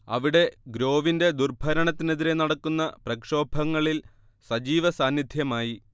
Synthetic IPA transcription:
ɐ̰ʋiɽe̞ɡɾo̞ːʋinde̞d̪urbʱɐɾɐɳɐt̪ːine̞ðiɾe̞nɐɽɐkːunːɐprɐkʂo̞ːbʱɐŋːɐɭil | sɐd͡ʑiːʋɐsaːnjid̪ʱjɐmaːji

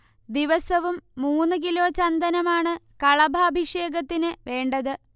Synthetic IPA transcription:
d̪iʋɐsɐʋumːuːnːɨk̬ilo̞ːt͡ɕɐnd̪ɐnɐmaːɳɨkɐɭɐbʱaːbʱiʂe̞ːɡɐt̪ːinɨʋe̞ːɳɖɐðɨ

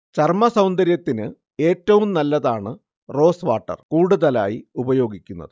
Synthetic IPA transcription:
t͡ɕɐrmɐsɐwnd̪ɐɾjɐt̪ːinɨ | e̞ːtːɐʋumnɐlːɐðaːɳɨ | ro̞ːsʋaːʈːɐ̰rkuːɽuðɐla̰ːjiubɐjo̞ːɡikʲːunːɐ̰ðɨ

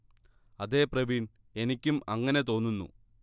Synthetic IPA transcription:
ɐðe̞ːprɐʋin | e̞nikʲːumɐŋːɐne̞t̪o̞ːnːunːṵ

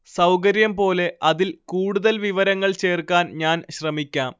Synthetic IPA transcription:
sɐwk̬ɐɾjɐmpo̞ːle̞ʔɐðilkuːɽuðɐlʋiʋɐɾɐŋːɐɭt͡ɕe̞ːrkaːnɲaːnɕrɐmikʲːaːm

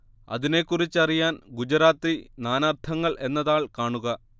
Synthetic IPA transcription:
ɐ̰ðine̞kːurit͡ɕːɐrijaːnɡud͡ʑɐɾaːt̪ːinaːnaːrt̪ʰɐŋːɐɭʔe̞nːɐðaːɭkaːɳuɣɐ

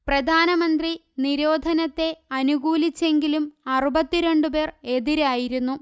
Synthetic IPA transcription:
prɐd̪ʱaːnɐmɐnd̪ri | niɾo̞ːd̪ʱɐnɐt̪ːe̞ɐnuɣuːlit͡ɕːe̞ŋɡilumɐrubɐt̪ːiɾe̞ɳɖupe̞ːre̞ðiɾaːjiɾunːu

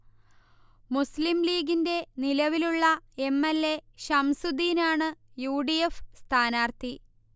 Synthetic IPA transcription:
muslimliːɡinde̞nilɐʋiluɭːɐe̞mːelːe̞ɕɐmsud̪iːnaːɳɨjuːɖijefst̪ʰaːnaːrt̪i

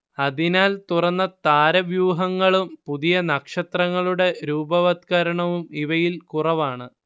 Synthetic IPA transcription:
ɐðinaːlt̪urɐnːɐt̪aːɾɐʋjuːɦɐŋːɐɭumpuðijɐnɐkʂɐt̪rɐŋːɐɭuɽe̞ɾuːbɐʋɐt̪̚kɐɾɐɳɐʋumiʋɐjilkurɐʋaːɳɨ

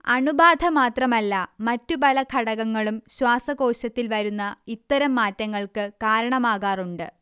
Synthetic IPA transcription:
ɐɳubaːd̪ʱɐmaːt̪rɐmɐlːɐmɐtːupɐlɐkʰɐɽɐɣɐŋːɐɭumɕwaːsɐko̞ːɕɐt̪ːilʋɐɾunːɐit̪ːɐɾɐmːaːtːɐŋːɐɭkɨkaːɾɐɳɐmaːɣaːruɳɖɨ

